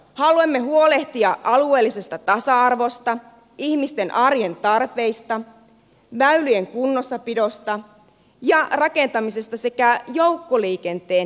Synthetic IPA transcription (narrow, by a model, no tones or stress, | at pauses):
hɑluemːe̞ɦuo̞le̞ht̪iɑʔɑlue̞ːlːise̞st̪ɑt̪ɑsɑɑrʋo̞st̪ɑ | ihmist̪e̞nʔɑrjent̪ɑrpe̞jst̪ɑ | ʋæylyje̞ŋkunːo̞sːɑpido̞st̪ɑ | jɑrɑke̞nt̪ɑmise̞st̪ɑse̞kæjo̞wkːoliːke̞nt̪eːn